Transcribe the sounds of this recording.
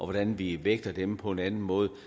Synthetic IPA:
ʔɒ̽ʋɒd̥ænʋiʋeɡ̥̚d̥ɐd̥empʰɒ̽e̝nænn̩mɔ̽ːð̞̩ˠ

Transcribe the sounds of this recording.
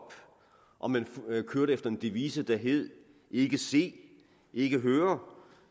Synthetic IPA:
b̥ | ʔɒ̽mænfkʰøɐ̰ɾəefd̥ɐe̝nd̥iʋḭːsəd̥æɦe̝ð̰ˠ | e̝ɡ̥əse̝̰ː | e̝ɡ̥əɦøːɐ

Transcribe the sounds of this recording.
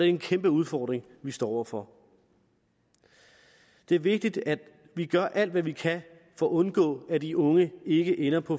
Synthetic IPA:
eenkʰemb̥əuð̞ˠfɒːd̥ʁeŋʋisd̥ɒ̰ːɒ̰ʊɐfɒ̽ | d̥e̝æɐʋe̝ɡ̥̚d̥id̥æ̥ | ʋiɡ̥ɶɐ̰ʔæl̰d̥ʋæʋikʰæ | fɒːɔ̽nɡ̥ɔ̰̽ːæd̥iʔɔ̽ŋəe̝ɡ̥əʔenɐpʰɒ̽

